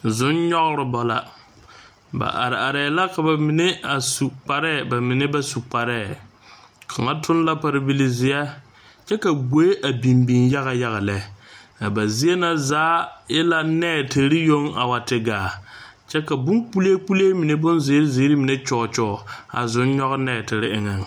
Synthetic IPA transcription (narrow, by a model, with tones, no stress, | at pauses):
zʊ˨˦nɲɔ˦ɣɾɪ˨bɔ˨la̰˨ | ba̰˨ʔa̰˨ɾɪ˨a˨ɾɛː˨la˦ka˨ba˨mɪ˨ne˦a˨su˨k͡pa˨ɾɛ˦˨ba˨mɪ˨nɪ˦ba˦su˨k͡pa˨ɾɛː˦˨ | kʰa˨ŋa˦tʰʊ˦n˦la˦pa˨ɾɪ˦bi˦li˨zɪ˨a˦ | t͡ʃɛ˦ka˨ɡo˦e˦ʔa˨bi˨mbi˨nja˦ɣa˨ja˦ɣa˨lɛ˨˦˨a˨ba˨zi˦e˦na˦zaː˨˦jɪ˦la˦nɛː˦˨tɪ˨ɾɪ˦jo˦ŋa̰˨wa˨tɪ˨ɡaː˨ | t͡ʃɛ˦ka˨bʊ˦ŋk͡pu˦leː˦k͡pu˦leː˦mɪ˨ne˦bʊ˦nze˨˦ɾɪ˦ze˨˦ɾi˦mɪ˨ne˦t͡ʃɔː˨t͡ʃɔː˦˨a̰˨zʊ˦n˦ɲɔ˦ɣnɛː˦˨tɪ˨ɾɪ˦ɪ˨ŋɛ˨ŋ